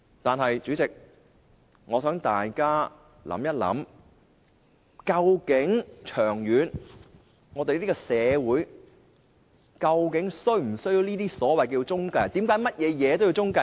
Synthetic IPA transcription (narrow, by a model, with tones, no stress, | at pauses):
t̪aː˨nɦɐ˨jt͡ʃyː˨˥t͡sɪ˨k̚ | ŋɔː˨˧sœː˨˥ŋt̪aː˨jkaː˥ | lɐ̰˧˥mjɐ˥t̚lɐ̰˨˥m | kɐ˧wkɪ˨˥ŋt͡ʃʰœː˨˩ŋjyː˨˧n | ŋɔː˨˧t̪e˨jliː˥i˥kɔ˧sɛː˨˧wuː˨˥j | kɐ˧wkɪ˨˥ŋsɵ˥ɥm̩˨˩sɵ˥jiː˧wniː˥t̪iː˥sɔː˨˥wɐ˨jkɛ˧wt͡sʊ˥ŋkɐ˧jt̪i˨˥mkaː˨˥jmɐ˥t̚jɛː˨˧jɛː˨˧t̪o˥wji˧wt͡sʊ˥ŋkɐ˧